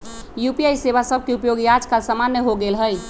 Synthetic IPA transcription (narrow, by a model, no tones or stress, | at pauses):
jupiajseβasəb̚ʱkeupjoɡijad͡ʒkasamanjəɦoɡelɦəj